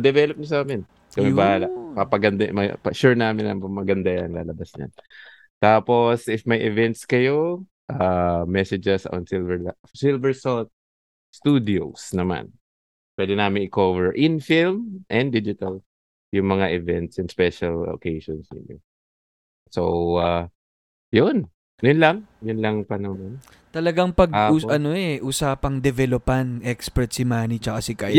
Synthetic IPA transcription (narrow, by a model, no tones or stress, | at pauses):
ɐd̪ɛvɛlop̚ɲɐsaːmɪn | kɐmɛbɐhaːlɐpɐpɐɡɐnd̪amɐ̰pɐʃʊɹnaːmɪnɐɐmɐɡɐnd̪ajaŋla̰ːlɐbasɲa̰n | t̪aːpo̞sɪfmɐjʔɛvɛnt̪skɐjo | ʔamɛsɛd͡ʒɛso̰nsɪlvɛɹl | sɪlvɛɹsot̪̚ | st̪uːd̪ɪosnɐma̰n | pwɛd̪ɪnaːmɪŋɪkovɛɹʔɪnfilmʔɛnd̪id͡ʒɪt̪ɐl | jʊŋmɐŋaʔɪvɛnt̪sjʊŋspɛʃɐlo̰kejʃɔnsnɪ̰ɲːo̰ | sowa | jʊn | jʊnlaŋjʊnlɐŋpɐnɐon | t̪ɐlɐɡaŋpɐɡuʔɐnoɛʔuːsaːpɐŋd̪ɛvɛlopɐnʔɛkspɛɹt̪̚sɪmaːnit͡ʃɐkasɪka